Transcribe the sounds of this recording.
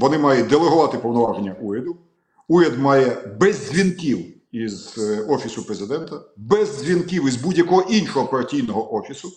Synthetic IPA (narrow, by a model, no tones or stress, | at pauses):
ʋɔnɪmɑjʊt̚ʲd̪elˠeɦʊʋɑt̪ɪpɔwnɔʋɑʒenʲːɐʔuɾʲɐd̪ʊ | uɾʲɐd̪mɑjɛbɛzzʲʋʲinkʲiw | izɔfʲisʊpɾezɪd̪ɛnt̪ɐbɛzʲzʲʋʲinkiwizbudʲjɐkɔɦɔʔinʃɔɦɔpɐɾɐtʲijnɔɦɔʔɔfʲisʊ